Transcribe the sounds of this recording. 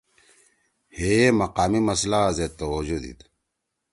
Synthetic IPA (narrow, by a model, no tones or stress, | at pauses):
heemɐqaːmimɐslaːzet̪ːɐwod͡ʑud̪ḭd̪